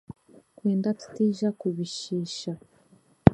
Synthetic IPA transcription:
kweːndatu̥tiːʒakuβiʃiːʃa

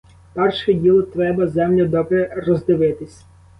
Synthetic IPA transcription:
pɛrʃɛdʲilˠɔt̪ɾɛbɐzɛmlʲʊd̪ɔbɾɛrɔzd̪ɪʋɪt̪ɪsʲ

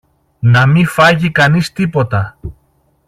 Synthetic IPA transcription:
nɐmifɐʝikɐnist̪ipo̞t̪ɐ

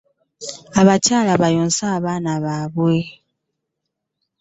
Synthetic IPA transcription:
aβacaːlaβajoːnsaːβaːnaβaβwe

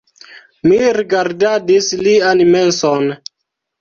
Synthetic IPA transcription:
miɾiɡaɾdadislianmɛnsɔn

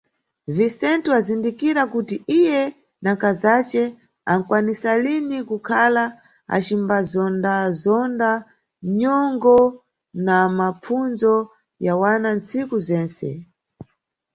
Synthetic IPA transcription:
visɛntuazindikiɾakutiijɛ | nakazat͡ʃɛ | aŋ̩kwanisalinikukʰala | a̰t͡ʃimbazɔndazɔnda | ɲɔŋɡɔ | namap͡funzɔ | jawanant͡sikuzɛːnsɛ̰

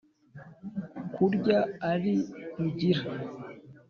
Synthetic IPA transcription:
kʰuɾɟaːɾiɾuɟiɾa

